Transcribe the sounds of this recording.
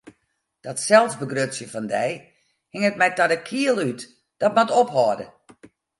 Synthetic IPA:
d̥ɔtsɛlˠsbəɡrøsjəfɔndɛj | hɪŋət̚mɛtadəkʰiəlˠyt | d̥ɔtmatophɔːdə̰

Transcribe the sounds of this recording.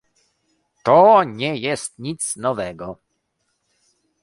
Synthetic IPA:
t̪ɔɲɛjɛst̪̚ɲit̪snɔvɛɡɔ

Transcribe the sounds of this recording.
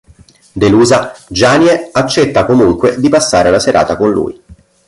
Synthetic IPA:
d̪eluːzad͡ʒaːnjeat͡ʃːɛt̪ːakomuŋkwed̪ipasːaːɾelaseɾʔa̰ːt̪akonlṵːj

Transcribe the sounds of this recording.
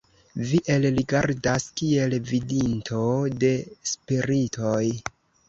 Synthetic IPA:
viʔe̞lɾiɡaɾdaskie̞lvidintʰo̞de̞spiɾitʰo̞j

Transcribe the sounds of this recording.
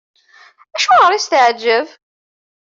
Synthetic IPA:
æʃuʁəɾˤist̪əʕd͡ʒːəv

